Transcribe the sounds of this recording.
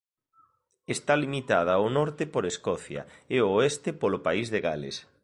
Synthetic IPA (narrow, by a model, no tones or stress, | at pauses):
est̪alimit̪að̞ɐonɔɾt̪ɪpoɾeskɔθjɐ̰eoest̪epolʊpaizðeɣalḛs